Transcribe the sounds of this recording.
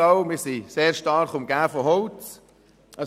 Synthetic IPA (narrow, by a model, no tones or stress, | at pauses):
aʊmɪsiseːɾʃtɑɾχʊmɡæːfɔɦɔʊt͡s | ɑ